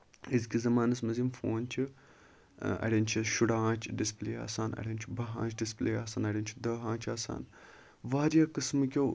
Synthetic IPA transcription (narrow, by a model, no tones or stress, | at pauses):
izkʲizɐmaːnɐsmɐzimfoːnt͡ʃʰi | ɐ̰ɽʲɐnt͡ʃʰiʃuɽãːt͡ʃʰɖispleːa̰ːsaːnɐ̰ɽʲent͡ʃʰibɐɦã̰ːt͡ʃʰɖispleːaːsaːnɐɽʲint͡ʃʰid̪ɐːɦãːt͡ʃʰaːsa̰ːn | ʋaːɾjaːkɨsmɨkʲo